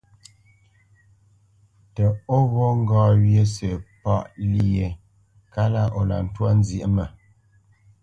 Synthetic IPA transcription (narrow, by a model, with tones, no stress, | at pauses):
tɛ˨o˦ɣo˦ŋ̩˦ɡɔː˦˨wje˦sə˨pɔ˦ʔli˦je˨ | ka˦la˦ʔo˨la̰˨n̩˨twa˦n˦zje˨˦mə˨